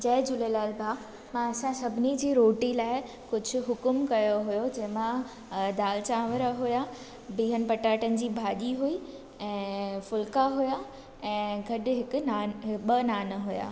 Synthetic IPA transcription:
d͡ʑɐːɪd͡ʑʊlelaːlbʱaːk | mãɐsãsɐbʱɪnid͡ʑiːɾoːʈilaːɪ | kʊd͡ʑʱʊ̆ɦʊkʊmkɐjoɦʊjod͡ʑɐɦɪ̃mã | d̪aːlt͡ɕãːʋəɾəɦʊja | biːɦənɪ̆pɐʈaːʈənɪ̆d͡ʑiːbʱaːʄiɦuiː | ɛ̃ːfʊlkaɦuja | ɛ̃ːɡʱɐɗʊɦɪkʊ̆naːnɓɐnaːnəɦuja̰ː

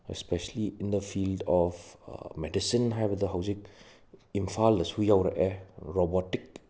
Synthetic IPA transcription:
espeseliind̪əpʰildɔpʰmedisinɦajbɐdɐɦawzik̚ | impʰaldɐsujawɾɐ̰ʔeɾobotik̚

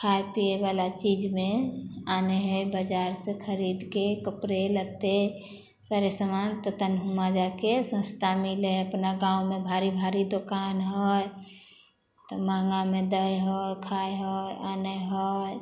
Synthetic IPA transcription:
kʰajpiebalat͡ʃid͡ʒmẽaneɦəjbəd͡ʒaɾsekʰəɾid̪kekəpɾelət̪e | saɾesəmant̪ət̪ənɦumad͡ʒakesə̃st̪ʰamileəpnaɡãumebʱaɾibʱaɾid̪okanɦɔj | t̪ɔmaŋɡamed̪əjɦɔjkʰajɦɔjanəɦɔj

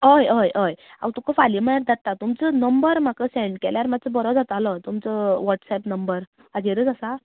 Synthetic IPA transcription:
ɦəjəjəja̰wt̪ukəfaliməjaɾd̪at̪ːat̪umt͡sənəmbəɾm̤akəsɛ̃ɳɖkɛljaɾmat͡səbɔɾɔd͡zat̪alət̪umt͡səʋɔʈsɛpnəmbəɾ | ad͡zeɾəd͡zasa

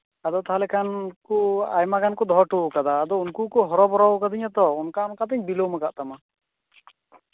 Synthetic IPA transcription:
ad̪ɔt̪aɦalɛkankua̰jmakankɔd̪ɔɦɔʈukad̪aːd̪ɔunkukɔɦɔɾɔbɔɾɔwkad̪iɲat̪ɔɔnkaɔnkat̪ɛɲbiloməɡaʔt̪ama

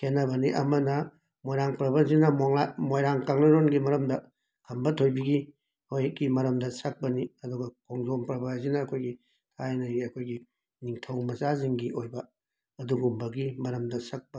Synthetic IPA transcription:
kʰenːɐbɐniʔɐ̰mɐnɐ | mojɾaŋpɾɐbanzinɐmoŋlamojɾaŋkaŋnɐɾonɡimɐɾɐmdɐ | kʰɐmbɐtʰojbiɡi | hojeɡimɐɾɐmdɐsɐk̚pɐniɐduɡɐkʰoŋzompɾɐbajzinɐːkʰojɡi | tʰajnɐjiɐkʰojɡi | niŋtʰɐwmɐzaziŋɡiʔojbɐ | ɐduɡumbɐɡimɐɾɐmdɐsɐk̚pɐ

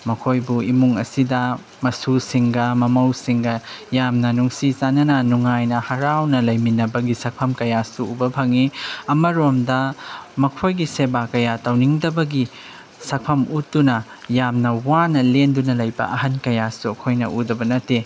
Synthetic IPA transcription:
mɐkʰojbuimuŋɐ̰sidɐ | mɐsusiŋɡɐmɐmɐwsiŋɡɐjamnɐnuŋsizanɐnɐnuŋajnɐhɐɾawnɐlɐjminɐbɐɡisɐk̚pʰɐmkɐjasuːbɐbʰʱɐŋiɐmɐɾomdɐmɐkʰojɡisebakɐjatɐwniŋdɐbɐɡi | sɐk̚pʰɐmutːunɐ | jamnɐwanɐlendunɐlɐjbɐ̰ʔɐɦɐnkɐjasuɐkʰojnɐ̰ʔudɐbɐnɐtːe

